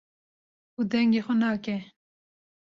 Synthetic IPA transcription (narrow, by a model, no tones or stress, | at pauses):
ud̪ɛŋɡeːxɔnɑːkɛ